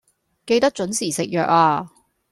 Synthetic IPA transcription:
ke˧jt̪ɐ˥k̚t͡ʃɵ˨˥nsiː˨˩sɪ˨k̚jœː˨k̚aː˧

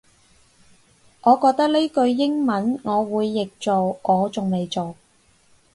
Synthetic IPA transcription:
ŋʔɔː˨˧kɔː˧k̚t̪ɐ˥k̚li˥kɵ˧ɥːɪ˥ŋmɐ˨˥nŋɔː˨˧wuː˨˧jːɪ˨k̚t͡so˨wŋʔɔː˨˧t͡sʊ˨ŋme˨jt͡so˨w

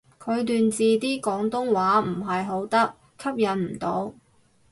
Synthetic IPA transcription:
kʰɵ˨˧ɥt̪yː˨˧nt͡siː˨t̪iː˥kɔː˨˥ŋt̪ʊ˥ŋwaː˨˥m̩˨˩ɦɐ˨jɦo˨˥wt̪ɐ˥k̚ | kʰːɐ˥p̚jɐ˨˧nm̩˨˩t̪o˨˥w

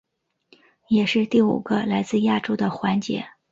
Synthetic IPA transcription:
jɛ˨˩ʂɻ̩˥˧t̪i˥˩ṵ˨˩ɡ̥ə˦la˧˥ɪt͡sɹ̩˥˧ja˥˩ʈ͡ʂo˥ʊd̪ə˨xwa˧˥nt͡ɕjɛ̰˧˥˦

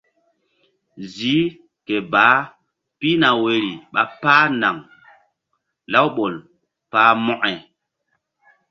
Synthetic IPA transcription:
zi˨˦ | ke˨baː˨˦ | pi˦na˨we˨ɾi˨ɓa˨paː˦na˨ŋ | la˦wɓo˨l | paː˦mɔ˦ʔɛ˨

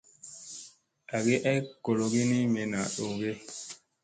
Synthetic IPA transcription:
a˨ɡe˦ʔa˦ko˨lo˨ɡi˦ni˦me˨na˨ɗo˨ɡe˦

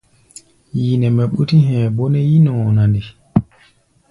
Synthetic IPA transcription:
ji˨nɛ˨mɛ˨ɓu˦ti˦ɦɛ̃˨bo˦nɛ˦ji˦nɔ̃˨na˨ndi˨

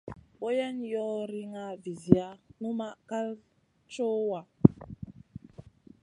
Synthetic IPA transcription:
bo˦ja˦njɔ˦ɾi˦ŋa˦vi˨zi˨a˦nu˦ma˦ka˦l | t͡ʃo˦wa˨

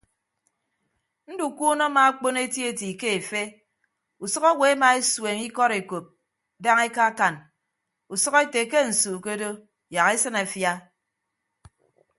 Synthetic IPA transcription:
n̩˦du˨ku˦no˦ma˨a˦k͡po˦ne˦tje˦˨ti˨ke˦e˨fe˦ | u˨sɔ˦ka˦we˨˦ma˨e˦swe˨ŋi˦kɔ˦ɾe˨ko˨p̚ | da˦ŋe˦ka˦ka˨n | u˨sʌ˦ke˦te˨ke˦n̩˨suː˨ke˦do˦ | ja˨ke˦sɨ˦na˨fja˦

